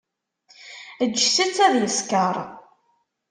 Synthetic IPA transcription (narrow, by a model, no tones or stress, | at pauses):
əːsit͡sːæðjəskəɾˤ